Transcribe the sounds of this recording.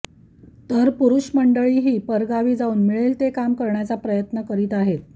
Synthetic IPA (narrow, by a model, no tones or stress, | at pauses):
t̪əɾpuɾuɕməɳɖəɭiːɦiːpəɾɡaʋiːd͡zauːnmiɭelt̪ekamkəɾɳjat͡sapɾəjət̪nəkəɾiːt̪aɦet̪̚